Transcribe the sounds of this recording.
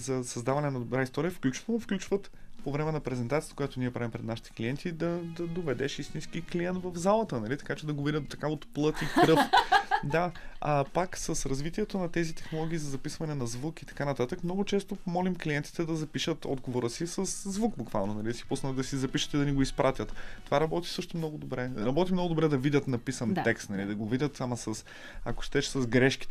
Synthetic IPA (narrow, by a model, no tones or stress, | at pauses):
zɐsɐzd̪avɐnɛnɐd̪obɾajst̪ɔɾiəfklʲut͡ʃvofklʲut͡ʃvət̪povɾɛmɛnɐpɾɛzɛnt̪at̪ijt̪kojat̪oniɛpɾavimpɾɛd̪naʃi̥t̪ɛ̥kliɛnt̪ʰid̪ɐd̪ɐd̪ovɛd̪ɛʃist̪inskikliɛnt̪vɐvzalˠət̪ənɐlit̪ɐ̥kat͡ʃɛd̪ɐɡovɾiət̪d̪ot̪ɐ̥kaot̪plˠɤt̪ikɾɤfd̪aapaksɐsɾɐzvit̪iɛt̪onɐt̪ɛzit̪ɛ̥xnolˠɔɡʲiːzɐzɐpisvɐnɛnɐzvukit̪ɐ̥kanɐt̪at̪əkmnɔɡʊt͡ʃɛst̪opomɔlimkliɛnt̪i̥t̪ɛd̪ɐzɐpiʃət̪ɔ̰d̪ɡovoɾəsisɐszvukbukva̰lˠnonɐlisi̥pusnət̪d̪ɐsizɐpiʃə̥t̪id̪ɐniɡoispɾat̪ʲjət̪t̪ovaɾɐbɔt̪i̥sɤʃt̪omnɔɡʊd̪obɾɛɾɐbɔt̪imnɔɡʊd̪obɾɛd̪ɐvidʲət̪nɐpisənt̪ɛkst̪nɐlid̪ɐɡovidʲət̪samɐsɐs | ɐ̰ko̥ʃt̪ɛʃsɐzɡɾɛʃki̥